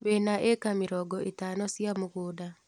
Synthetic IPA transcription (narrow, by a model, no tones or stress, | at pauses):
wenaʔekamɪɾɔɡɔʔetaːnɔsjamoɣoːda